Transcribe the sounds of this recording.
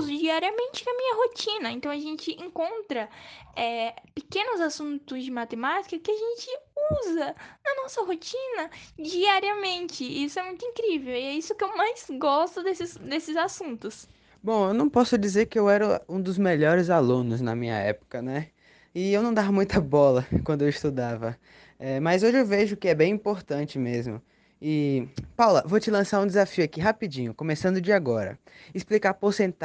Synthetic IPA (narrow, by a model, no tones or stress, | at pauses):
zʊd͡ʒiaɾiɐmẽnt͡ʃɪɐmĩɲɐɦot͡ʃĩnɐẽnt̪ɐ̃w̃ɐʒẽnt͡ʃɪʔẽŋkõnt̪ɾɐɛpekẽnʊzasũnt̪ʊzd͡ʒɪmat̪emat͡ʃi̥kɐkɪaʒẽnt͡ʃɪuzɐnɐnɔsɐɦot͡ʃĩnɐd͡ʒiaɾiɐmẽnt͡ʃɪisʊɛmũj̃t̪ʊĩkɾivewɪɛisʊkɪewmajzɡɔst̪ʊd̪esɪzd̪esɪzasũnt̪ʊs | bõw̃ewnɐ̃w̃pɔsʊd͡ʒizeɾkɪewɛɾɐũd̪ʊzmeʎɔɾɪzalũnʊznɐ̰mĩɲɐ̰ɛ̰pʊ̥kɐnɛ | ɪewnɐ̃w̃d̪avɐmũj̃t̪ɐbɔlɐkwɐ̃d̪ʊewist̪ud̪avɐ | ɛmɐzoʒɪewveʒʊkɪɛbẽj̃ĩpoɾt̪ɐ̃t͡ʃɪmezmʊ̰ | ɪpawlɐvot͡ʃɪlɐ̃saɾũd̪ɪzafiʊakiɦapid͡ʒĩɲʊkõmesɐ̃nd̪ʊd͡ʒɪaɡɔɾɐ̰ | ɪsplikapoɾsẽnt̪